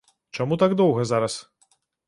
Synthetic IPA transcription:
t͡ʃɔmut̪aɡd̪ɔwɣɐzaɾɐs

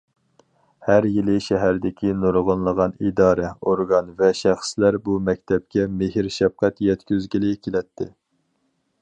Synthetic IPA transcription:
hæɾjilɪʃɛɦæɾd̪ɪkʲʰinoɾʁənlˠəʁɑnid̪ɑːɾɛoɾɡɑnvɛʃæχslæɾbumɛk̚ʲt̪ʰɛp̚kʲɛmeɦɪɾʃɛfqɛt̪jɛt̪kʲyzɡʲilɪkʲʰelɛt̪ʰːɪ

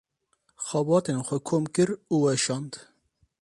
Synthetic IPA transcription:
xɑbɑːt̪enxʷɛkʰoːmkɨɾuːwɛʃɑːnd̪

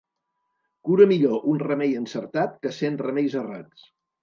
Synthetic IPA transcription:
kuɾəmiʎoʔunrəmejənsəɾt̪at̪̚kəsenrəmejzəra̰t͡s

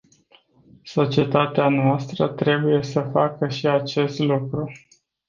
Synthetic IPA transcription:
so̞t͡ʃie̞t̪at̪eanoast̪ɾət̪ɾe̞buje̞səfakəʃiat͡ʃe̞st̪lukɾu

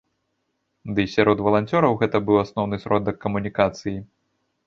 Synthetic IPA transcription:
d̪ɨsʲaɾɔd̪vɐlˠant͡sʲɔɾɐwɣɛt̪ɐbɨwasnɔwnɨsʲɾɔd̪ɐkːɐmunʲikat̪sɨji

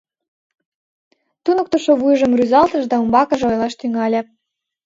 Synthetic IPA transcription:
t̪unŏk̚t̪oʃoβujʒə̆mryzɑlt̪ə̆ʃd̪ɑumbɑkə̆ʒĕojlˠɑʃt̪yŋɑlʲĕ

